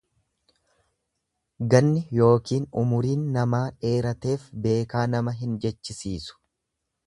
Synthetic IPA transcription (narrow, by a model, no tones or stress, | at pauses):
ɡɐnːɪjo̞ːkiːnʊmʊɾiːnːɐmaːᶑe̞ːɾɐt̪e̞ːfbe̞ːkaːnɐmɐɦɪnd͡ʒɛt͡ʃːɪsiːsʊ̥